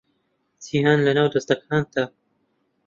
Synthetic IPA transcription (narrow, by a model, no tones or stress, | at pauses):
d͡ʒiːhaːnlɐnaːwd̪ɐst̪ɐkʰaːnd̪a